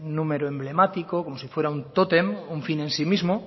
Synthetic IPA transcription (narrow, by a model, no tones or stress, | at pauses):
nũmeɾoemble̞mat̪ikokomosifwe̞ɾaunt̪ot̪e̞muɱfinẽ̞nsimizmo